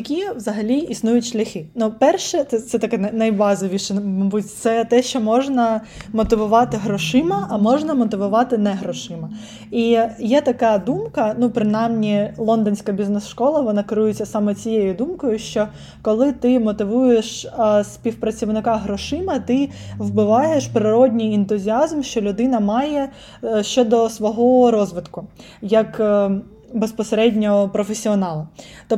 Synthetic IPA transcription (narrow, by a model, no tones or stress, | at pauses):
jɐkʲiʋzɐɦɐlʲiisnujʊtʲʃlʲɐxɪnupɛrʃɛt̪ɛt̪sɛt̪ɐkɛnɐnɐjbɑzɔʋʲiʃɛmɔbutʲt̪sɛt̪ɛʃt͡ʃɔmɔʒnɐ | mɔt̪ɪʋʊʋɑt̪ɪɦɾɔʃɪmɐɐmɔʒnɐmɔt̪ɪʋʊʋɑt̪ɪnɛɦɾɔʃɪmɐ | ijɛt̪ɐkɑd̪umkɐnupɾɪnɑjmnʲilˠɔnd̪ɔnʲsʲkɐbʲiznɛsʃkɔlˠɐʋɔnɑkɪɾujɪt͡sʲːɐsɑmɛt͡sʲijejʊd̪umkɔjʊʃt͡ʃɔ | kɔlˠɪt̪ɪmɔt̪ɪʋujeʃsʲpʲiwpɾɐt͡sʲiʋnɪkɑɦɾɔʃɪmɐt̪ɪwbɪʋɑjeʃpɾɪɾɔdʲnʲijɛnt̪ʊzʲiɑzmʃt͡ʃɔlʲʊd̪ɪnɐmɑjɛ | ʃt͡ʃɔd̪ɔsʋɔɦɔɔɾɔzʋɪt̪kʊ | jɐk | bespɔseɾɛdʲnʲɔɔpɾɔfesʲiɔnɑlˠɐt̪ɔ